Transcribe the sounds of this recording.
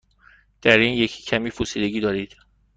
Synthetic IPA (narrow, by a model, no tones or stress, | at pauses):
d̪̥æɾiːnjecʰi̥ːcʰæmiːfusiːd̪eɟiːd̪ɒːɾiːd̪̥